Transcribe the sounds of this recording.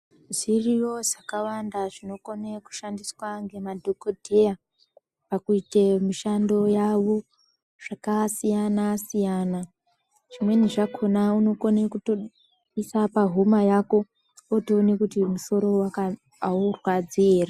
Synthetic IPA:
ʐirijo̞ʐakawandaʐino̞koneku̥ʃandiswaŋɡe̞madʱokodʱe̞ja | pakuitemiʃando̞jaʋo̞ | ʐ̥akasijanasijana | ʐ̥imwe̞niʐakʰo̞nauno̞konekuto | isapaɦumajako̞ | otoːnekutimuso̞ɾo̞waka | aorwad͡zieːra

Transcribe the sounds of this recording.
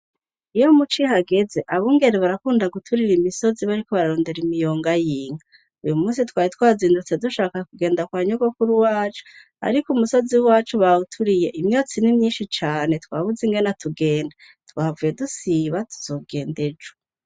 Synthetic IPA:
ijo̞mut͡ʃiɦaɡe̞ze̞ʔaβuːŋɡe̞ɾeβaɾakuːndaɡutʰuɾiɾimiso̞ziβaɾiko̞βaɾaɾo̞ːnde̞ɾimijo̞ːŋɡajiːŋa | ujumuːnsitwaːhitwaːziːndut͡se̞duʃaːkakuɡeːndakwaːɲuɡokuɾuwaːt͡ʃu̥ | a̰ɾikumuso̞ziwaːt͡ʃuβautʰuɾije̞ʔimɲoːt͡sinimɲiːnʃit͡ʃaːne̞twaːβuziŋɡe̞natʰuɡe̞ːnda | twaːvuje̞dusiβatʰu̥z̥o̞ːɡe̞ːnde̞d͡ʒu

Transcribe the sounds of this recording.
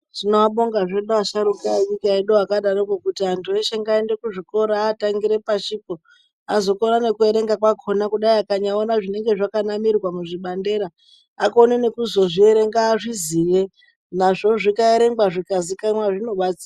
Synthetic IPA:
ʐ̥inoaɓo̞ŋɡaʐeɗoaʃaɾukaeɲikaeɗoakaɗaɾokokutiantʰueʃe̞ŋɡaende̞kuʐiko̞ɾaːtaŋɡiɾe̞paʃipo | azo̞ko̞ɾane̞kue̞ɾe̞ŋɡakwakʰo̞nakuɗaiakaɲaonaʐine̞ŋɡe̞ʐakanamirɣwamuʐiɓande̞ɾaː | konene̞kuzo̞ʐie̞ɾe̞ŋɡaːʐiziʋe̞ | naʐo̞ʐikaeɾe̞ŋɡwaʐikazikanwaʐino̞ɓat͡si̥a

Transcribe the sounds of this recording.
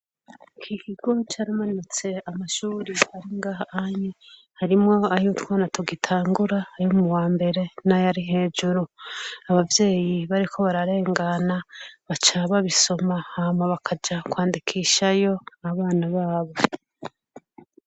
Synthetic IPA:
kʰikʰiɡ̥o̞t͡ʃaːɾamanut͡se̞amaʃuːɾihaɾiŋɡahahaɲe | haɾimŋo̞ajutwaːnatoɡitʰaːŋɡuɾaːjumuwaːmbe̞ɾe̞najaɾiɦe̞ːd͡ʒuɾuaβavje̞ːjiβaɾikʰo̞βaɾaɾe̞ːŋɡanaβat͡ʃaβaβiso̞mahamaβakʰad͡ʒakwaːndikʰiʃajo̞aβaːnaβaːβo̞

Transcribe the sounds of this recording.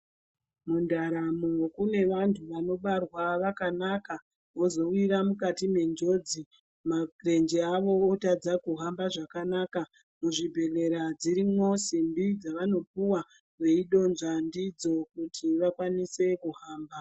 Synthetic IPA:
mundaɾamukune̞ʋantʰuʋano̞ɓarwaʋakanaka | ozo̞wiɾamukatime̞nd͡ʒo̞d͡zi | mare̞nd͡ʒeaʋo̞otad͡zakuɦambaʐakanaka | muʐibʱe̞le̞ɾad͡ziɾimwo̞sindid͡zaʋano̞p̚uwa | ʋe̞iɗo̞nzandid͡zo̞kutʰiʋakwanise̞kuɦaːmba

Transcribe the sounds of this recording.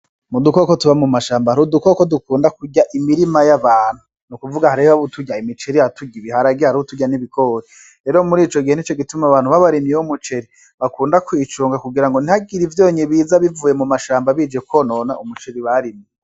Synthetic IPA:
mudukokotuβamumaʃaːmbahaɾudukokodukuːndakuɟaʔimiɾimajaβaːn̥hu | nukuvuɡahaɾiβaβutʰuɟaimit͡ʃe̞ɾijatuɡiβihaɾaɡihaɾuhutuɟaniβikʰoɾe | ɾe̞ːɾomuɾiːt͡ʃo̞ɡihenit͡ʃo̞ɡitumaβaːn̥uβaβaɾimjeumut͡ʃe̞ɾi | βakuːndakwiːt͡ʃuːŋɡakuɡiɾaŋɡo̞nihaɡiɾivjoːɲiβiːzaβivuːje̞mumaʃaːmbaβiːd͡ʒe̞kwono̞ːna̰umut͡ʃe̞ɾiβaɾimije

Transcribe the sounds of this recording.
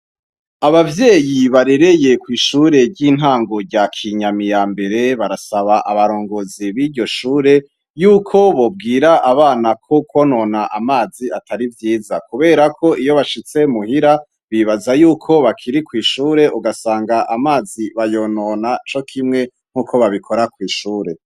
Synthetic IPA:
aβavje̞ːjiβaɾe̞ɾe̞je̞kwiːʃuɾe̞ɟiːn̥ɦaːŋɡo̞ɾɟakʰiɲamijaːmbe̞ɾe̞βaɾasaβaʔaβaɾo̞ːŋɡoziβiːɾɟo̞ʃuːɾe̞ | juːkʰo̞βo̞b̚ɡiːɾaʔaβaːnakʰokʰo̞no̞naʔamaːziatʰaɾivjiːzakuβe̞ːɾakʰo̞ʔijo̞βaʃit͡se̞muhiɾa | βiβazajuːkʰo̞βakʰiɾikwiːʃuːɾe̞ʔuɡasaːŋɡaʔamaːziβajo̞ːno̞nat͡ʃo̞kʰimŋe̞ | ŋ̥huːkʰo̞βaβikʰo̞ɾakwiːʃuːɾe̞

